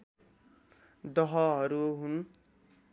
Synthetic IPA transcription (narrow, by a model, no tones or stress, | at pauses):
d̪ʌɦʌɦʌɾuɦun